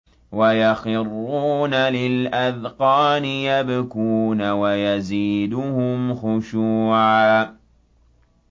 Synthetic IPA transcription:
wajaxɪrˤːuːnalɪlʔaðqɑːnɪjabakuːnawajaziːd̪ʊhʊmxʊʃuːʕaː

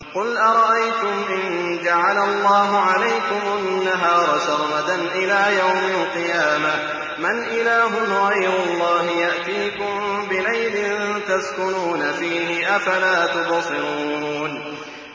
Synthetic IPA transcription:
qʊlʔɑɾˤɑʔajt̪ʊmʔɪn | d͡ʒaʕalalˤːɑːɦʊʕalajkʊmʊnːaɦɑːɾˤɑʃɑɾˤmad̪anʔɪlaːjawmalqɨjaːma | manʔɪlaːɦʊmɣɑjɾʊlˤːɑːɦɪjaʔt̪iːkʊmbɪlajlɪnt̪azkʊnuːnafiːɦɪʔafalaːt̪ʊbɑsˤɨɾuːn

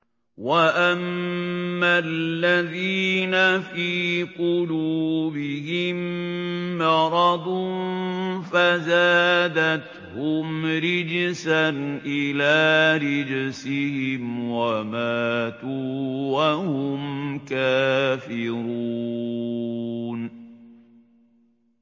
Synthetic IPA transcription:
waʔamː | alːaðiːnafiːqʊluːbɪhɪmː | ɑɾˤɑd̪ˤʊnfazaːd̪at̪ | hʊmɾɪd͡ʒsanʔɪlaːɾɪd͡ʒsɪhɪmwamaːt̪uwahʊmkaːfɪɾuu | n

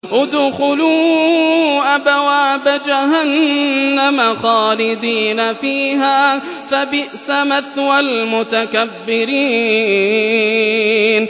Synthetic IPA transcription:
ʔʊd̪ʊxʊluː | ʔabawaːbad͡ʒaɦanːamaxaːlɪd̪iːnafiːɦaː | fabɪʔsamaθwalmʊt̪akabːɪɾiː | n

